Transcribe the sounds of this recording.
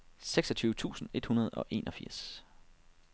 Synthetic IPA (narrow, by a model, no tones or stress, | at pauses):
seɡ̥sɒ̽t͡sʰyːʊət͡sʰṵːsn̩e̝d̥hunɐð̞̩ˠɒ̽ʔe̝ːnɒ̽fiɐ̰s